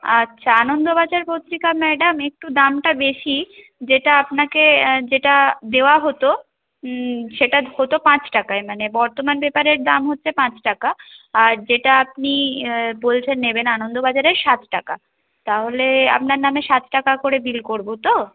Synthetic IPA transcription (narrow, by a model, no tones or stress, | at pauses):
a̰ːɕʰaanond̪obad͡ʑaɾpot̪ɾikamɛɖamek̚ʈud̪amʈabeʃi | d͡ʑeʈaapnaked͡ʑeʈad̪eoaɦot̪o | ʃeʈahot̪opãt͡ɕʈakaemanebɔɾt̪omanbepaɾeɾd̪amɦotːɕʰepãt͡ɕʈakaːɾd͡ʑeʈaapnibolt͡ɕʰenːebenanond̪obad͡ʑaɾeɾʃat̪ʰʈaka̰ | t̪aɦolea̰p̚naɾnameʃat̪ʰʈakakoɾebilkoɾbot̪o